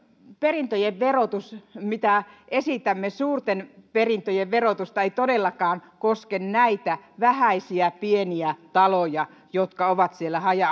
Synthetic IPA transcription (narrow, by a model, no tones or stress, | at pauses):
perint̪ojeʋʋerot̪usmit̪æʔesit̪æmːesuːrt̪enperint̪ojeʋʋerot̪ust̪ɑeit̪odelːɑkɑːnkoskennæit̪æʋæhæisiæpieniæt̪ɑlojɑ | jot̪kɑoʋɑt̪sielːæhɑjɑ